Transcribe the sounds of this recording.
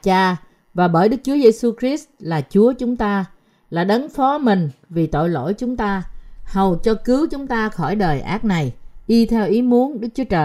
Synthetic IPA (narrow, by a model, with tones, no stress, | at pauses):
t͡ɕaː˧ | vaː˨˩ɓəː˧˩jɗɨ˦˥k̚t͡ɕu˨˦əze˧su˧xɾi˦˥st̚laː˨˩t͡ɕu˨˦ət͡ɕʊ˨˦ŋ͡mt̪aː˧ | laː˨˩ɗə˨˦nfɔ˨˦mï˨˩ŋ̟vi˨˩t̪o̰˧˨jlo̰˧˨jt͡ɕʊ˨˦ŋ͡mt̪aː˧hə˨˩wt͡ɕɔ˧kɨ˨˦wt͡ɕʊ˨˦ŋ͡mt̪aː˧xɔ˧˩jɗəː˨˩jʔa̰ː˦˥k̚na˨˩jʔɗi˧t̪ʰɛ˧wʔi˨˦mu˨˦ənɗɨ˦˥k̚t͡ɕu˨˦ət͡ɕəː˨˩